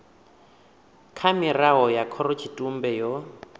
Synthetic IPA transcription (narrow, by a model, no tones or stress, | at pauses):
kʰamiraɦɔjakʰɔɾɔt͡ʃʰitʼum̩bɛjɔ